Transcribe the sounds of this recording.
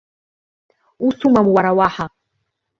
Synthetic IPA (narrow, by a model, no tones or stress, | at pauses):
usumamwaɾawaːħa